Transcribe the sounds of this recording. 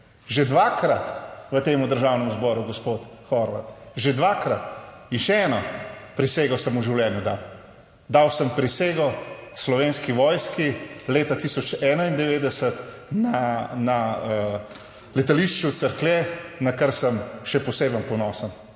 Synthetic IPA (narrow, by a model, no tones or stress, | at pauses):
ʒed̪ʋakɾat̪ʋət̪eːmud̪əɾʒaːwnɛmuzbɔːɾuɡɔspot̪xɔɾʋa̰t̪ʒed̪ʋaːkɾat̪inʃɛɛːnɔpɾiseɡɔsəmuʒiwlʲɛːnjud̪a̰w | d̪awsəmpɾiseːɡɔslɔʋeːnskiʋɔːjskileːt̪at̪iːsɔt͡ʃɛːnaind̪ɛʋeːd̪ɛsət̪ | nanaə | lɛt̪aliʃt͡ʃut̪səɾklɛnakəɾsəmʃɛpɔseːbənpɔnɔsən